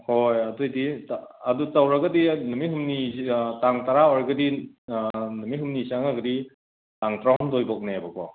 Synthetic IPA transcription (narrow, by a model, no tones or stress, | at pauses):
hojadujdiadutawɾaɡadinɯmiɦɯmnitaŋtaɾaɔɾaɡɐdi | nɯmiɦɯmnisaŋaɡɐdi | taŋtɾaumdɔjbɔk̚nebak̚ɔ